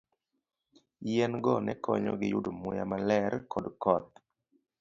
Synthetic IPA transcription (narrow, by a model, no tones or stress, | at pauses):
jɛnɡɔnɛkɔɲɔ̰ɡɪjudomʊja̰malɛɾkʰɔdkɔt̪̚